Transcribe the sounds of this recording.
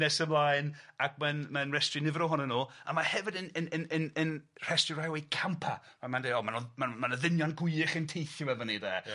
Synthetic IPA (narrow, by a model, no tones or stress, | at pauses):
nɛsəmlˠaːɨnak̚ʰmanmanrɛstrɪnɪvɾɔɦɔnənuːa̰mahɛvɨdənənənənənr̥ɛstɪɾajwejkʰampʰa | mamandeɔmanɔmanmanəðɪnjanɡʊɨɨχəntʰejθjɔwɛvɔnidɛ̰ː